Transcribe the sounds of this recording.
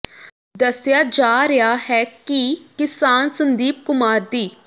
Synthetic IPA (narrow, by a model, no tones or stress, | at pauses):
d̪əsjaːd͡ʒaːɾɪaːɦɛːkikɪsaːnsənd̪iːp̚kʊmaːɾd̪iː